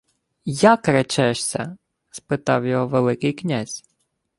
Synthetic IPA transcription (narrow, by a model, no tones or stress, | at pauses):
jakɾɛt͡ʃɛʃsʲɐ̰ | spɪt̪ɑwjɔɦɔʋelˠɪkɪjknʲazʲ